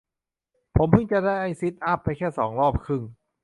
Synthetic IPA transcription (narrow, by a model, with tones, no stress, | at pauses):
pʰo˩˦mpʰɯ˥˩ŋt͡ɕa˧˨daː˥˩jʔa˧jsi˦˥t̪̚ʔa˦˥pːa˧jkʰɛː˥˩sɔ̰ː˩˦ŋɾɔː˥˩p̚kʰɯ˥˩ŋ